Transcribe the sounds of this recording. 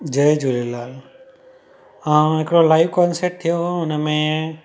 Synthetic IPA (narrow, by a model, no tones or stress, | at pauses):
d͡ʒəjd͡ʒulelaːl | ãɦɪkɽolaːɪʋkɔnseʈ̚t̪ʰijoʊnəmẽ